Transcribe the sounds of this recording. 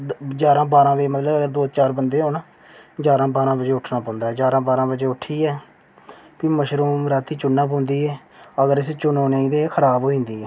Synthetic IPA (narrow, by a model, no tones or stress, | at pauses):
d͡ʒaːɾãːbaːɾãːʋeːmət̪ləbəɡəɾd̪oːt͡ʃaːɾbənd̪eːɦoːnaː | d͡ʒaːɾãːbaːɾãːbəd͡ʒeːʊʈʰnaːpãːnd̪aːɦɛːd͡ʒaːɾãːbaːɾãːbəd͡ʒeːʊʈʰːiːɛː | piːməʃɾuːmɾaːt̪ʰiːt͡ʃʊnːãːp̬õːnd̪iːɛː | əɡəɾɪst͡ʃʊnõːneːĩːd̪eːkʰəɾaːbɦoːĩːnd̪iːɛː